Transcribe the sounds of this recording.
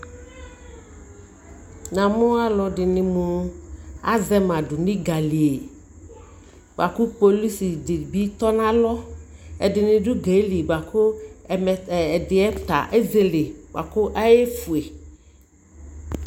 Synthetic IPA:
nã˨mʊ̃˦a˦lɔ˨dɪ˨nɪ̃˨mũ˨ | a˦zɛ˦mã˨dʊ˨nĩ˦ɡa˨li˨e˨ | ba̰˨ku˦po˨li˦si˨dɪ˨bi˦t̪ɔ˦nã˦lɔ˦ɛ˨dɪ˨nɪ̃˨dʊ˦ɡe˨˦li˨ba˨kʊ˦˨mɛ˨dɪ˨ɛ˦t̪a̰˨ʔe˦ze˨le˨ba̰˨kʊ˦ʔa˦je˦fu˨e˨

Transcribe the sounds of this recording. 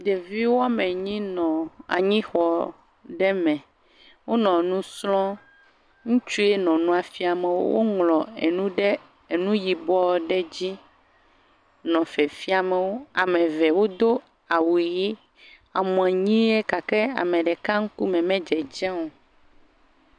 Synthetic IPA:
d̪e˨vi˦wo˦a˦mẽ˨ɲĩ˦nɔ̃˨a̰˨ɲĩ˦xɔ˨ | ɖɛ˦mɛ̃˨ | wo˦nɔ̃˨nũ˦slɔ̃˦ | ŋũ˦t͡ʃu˦e˦nɔ̃˨nũ˦a˨fi˦a˨mẽ˨wo̰˦wʔo̰˦ŋlɔ̃˨e˨nũ˦ɖɛ˦ | e˨nũ˦ji˨bɔ˦ɖɛ˦d͡ʑi˦ | nɔ̃˨fɛ˨fi˦a˨mẽ˨wo˦a˨mɛ̃˨vɛ˨wo˦d̪o˦ | a˨wu˨ji˦ | a˨mɔ̃˨ɛ˨ɲĩ˦e˦ka˨kɛ˦a̰˨mɛ̃˨ɖɛ˨ka˦ŋ̩˦ku˦mɛ̃˨mɛ̃˦d͡ʒɛ˨d͡ʒɛ̃˦wo˨

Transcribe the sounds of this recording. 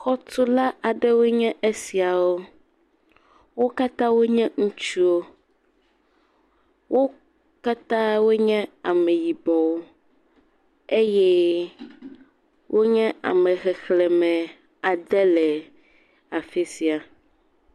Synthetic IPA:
xɔ˦to˦la˦ʔa˨ɖɛ˦wo˦ɲɛ̃˦ʔe˦si˨a˨wo˦ | wo˦ka˦t̪ã˦wo˦ɲɛ̃˦ŋũ˦t͡ʃu˦o˦ | wʔo˦ | ka˦t̪ã˦wo˦ɲɛ̃˦a˨me˨ji˨bɔ˨wo˦ | e˦jɛ˦ | wʔo˦ɲɛ̃˦a̰˨mɛ̃˨ɣɛ˨xlɛ˨mɛ̃˨ | a˨d̪ɛ˦lɛ˨ | a˨fe˦si˨a˨

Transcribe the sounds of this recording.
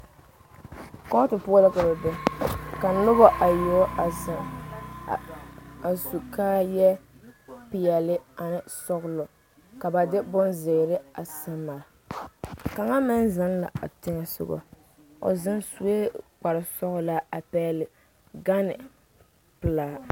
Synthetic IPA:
kɔ˦tɨ˨pʊ˦la˦kɔ˨ɾa˨bɛ˦ka˨˦nʊ˦bɔ˦ʔa˨jo˦a˨za˨ | a˨su˨ka˦jɛ˦ | pɪ˨jɛ˨lɪ˦a˨nɪ˨sɔ˦ɣʊ˦lɔ˨ | ka˨ba˨dɪ˦bɔ˦nzɪ˨ɾɪ˦a˨sɪ˦mmːaː˨ | ka˨ŋa˦mɪ˦nza˦nla̰˨a̰˨tɪ˦ŋɛ˨sʊ̰˦ɡɔ̰˨ | o̰˨zɪ˦nsu˨˦e˦k͡pa˨ɾɨ˨sɔ˦ɣʊ˨la˦a˨pɛ˦˨lɪ˨ | ɡa˦nɪ̰˨ | pɨ˨laː˦˨

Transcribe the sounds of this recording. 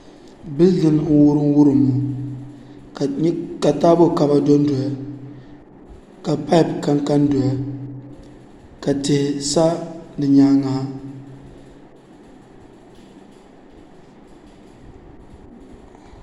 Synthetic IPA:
bɪ˦ldɨ˦nŋ̩˦wʊ˦ɾɨ˦ŋ˦wʊ˦ɾɨ˨mːu˨˦ | ka˨taː˦bo˦˨ka˨ba˦do˦n˦do˨ja˨ | ka˨pa˦jpka˦ŋka˦ndo˨ja˨ | ka˨tɪ˨hɪ˨sa˦nɨ˨ɲaː˦ŋaː˦

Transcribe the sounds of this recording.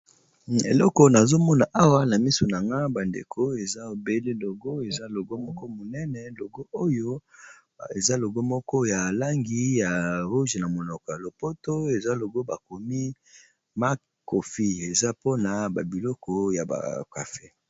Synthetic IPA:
ḛ˨lɔ˦kɔ˨na˨zo˦mɔ˦na˨ʔa˦wa˦na˨mi˦so˨na˨ŋɡa˦ba˨ndḛ˨kʰo˦e˨za˦o˨be˦le˦lo˨ɡo˦e˨za˦lo˨ɡo˦mɔ˦kɔ˦mo˨nɛ˦nɛ˨lo˨ɡo˦ʔo˦jo˦ | e˨za˦lo˨ɡo˦mɔ˦kɔ˦ja˨la˦ŋɡi˦ja˨ʁu˦ʒe˨na˨mo˨nɔ˨kɔ˨ja˨lo˨po˦to˦e˨za˦lo˨ɡo˦ba˨ko˨mi˦ | ma˦ | ko˨fi˦e˨za˦po˦na˨ba˨bi˨lɔ˦kɔ˦ja˨ba̰˨ka̰˨fe˦

